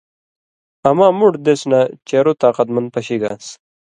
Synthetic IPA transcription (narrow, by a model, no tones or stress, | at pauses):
ɐmaːmuɽd̪esnat͡ɕeːɾot̪aːqɐt̪mɐnd̪̚pɐɕiɡa̰s